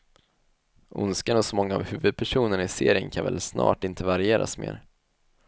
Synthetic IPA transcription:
ʔʊ̰nskənɔsɔmɔŋːa̰ːvhʉ̟ːvɵd̪̚pʰæʂuːnəɳɪseːɾɪənkʰanvɛ̰lsnɑ̰ːʈɪnt̪ʰəvaɾɪeːɾʔa̰smḛːɾ

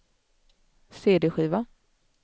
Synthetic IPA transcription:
seːd̪eːɧiːva

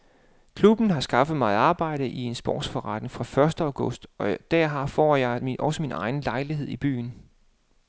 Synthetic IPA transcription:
kʰlub̥n̩ɦɑ̈sɡ̥ɑ̈fəð̩ˠmɑ̈ːð̩ˠɑ̈ːb̥ɑ̈ɪ̰ɾ̥əʔie̝nsb̥ɒ̰ːd̥sfɒʁɑd̥nŋ̩fʁɑ̈fɶɐsd̥əɑʊɡ̥ɔ̽sd̥ɒ̽d̥æɐɦɑ̈fɒ̰ːjɑ̈ɪʔɒ̽səminʔɑ̈ɪn̩lɑ̈ɪliɦe̝ð̞̰ˠib̥y̰ːn̩

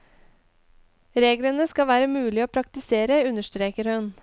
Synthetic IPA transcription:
ɾeːɡlənəskɑʋæːɾəmʉːlɪoːpʰɾɑk̚t̪ɪseːɾəʉnəʃt̪ɾeːkəɾhʉn

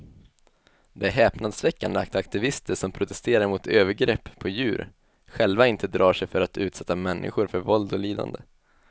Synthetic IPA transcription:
d̪ɛæɦɛːpnad̪svɛkːand̪əa̰k̚t̪ak̚t̪ɪvɪst̪əʂɔmpʰɾʊt̪ɛst̪eːɾaɾmʊt̪ʰøːvəɾɡɾɛpːʰɔjʉ̟ːɾ | ɧɛlvaɪnt̪əd̪ɾɑːʂɛjfœɾat̪ʰʉ̟ːt̪sɛt̪ːamɛnːʔɪ̰ɧʊɾfœɾvɔld̪ɔliːd̪a̰nd̪ə̰

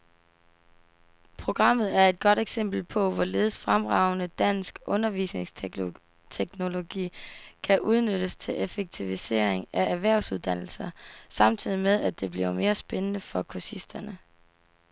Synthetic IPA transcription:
pʰʁo̝ɡ̥ʁɑ̈m̰ð̞̩ˠæɐe̝d̥̚ɡ̥ɒ̽ɾ̥eɡ̥sem̰b̥l̩pʰɒ̽ʋɒle̝ːð̞ˠəsfʁamʁɑ̈ʊnəd̥æn̰sɡ̥ɔ̽nɐʋḭsne̝ŋs | t͡sʰeɡ̥no̝lo̝ɡ̥ḭːkʰæʔuð̞ˠnøɾ̥əst͡sʰe̝lʔefeɡ̥̚t͡sʰiʋise̝̰ːɐ̰eŋæʔæʋæɐʊsuð̞ˠd̥æn̰l̩sɐsɑ̈mt͡sʰið̞̰ˠimeð̞ˠæd̥e̝b̥liʊɐme̝ːɐsb̥enənəfɒ̽kʰosisd̥ɐnə

